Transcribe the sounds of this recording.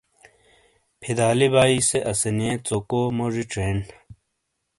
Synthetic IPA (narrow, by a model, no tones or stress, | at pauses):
pʰid̪aːlibaːiseʔɐseniet͡sokomoʐiʈ͡ʂɾeːn